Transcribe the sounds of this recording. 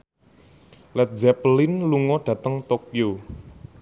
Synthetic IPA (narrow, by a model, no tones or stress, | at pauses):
lɛt̪̚d͡ʒɛplɪnluŋɔɖ̥ä̤t̪əŋt̪okjo